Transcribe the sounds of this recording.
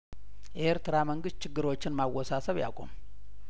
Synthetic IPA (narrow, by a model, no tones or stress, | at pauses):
jʔe̞ɾt̪ɨɾaməŋɡɨst̪̚t͡ʃʰɪɡːɨɾo̞t͡ʃːɪnmawːɔsasəβja̰kʷʼo̞̰m